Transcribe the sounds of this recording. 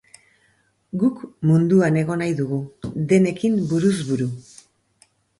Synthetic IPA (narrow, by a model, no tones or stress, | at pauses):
ɡukmund̪uane̞ɣ̞o̞najðuɣuðe̞ne̞kimbuɾuzβuɾu